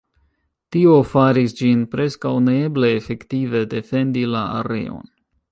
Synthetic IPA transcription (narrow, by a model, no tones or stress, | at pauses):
tio̞faɾisd͡ʒinpɾe̞skawneeble̞ːfe̞ktive̞de̞fe̞ndilaa̰ɾe̞̰o̞̰n